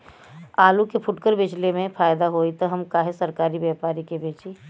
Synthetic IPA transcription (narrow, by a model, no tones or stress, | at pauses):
aːlukepʰʊʈkəɾbɪt͡ʃlemẽpʰaːjd̪aɦoit̪ɔɦəmkaːɦesəɾkaːɾibjɛpaːɾikebeːt͡ʃi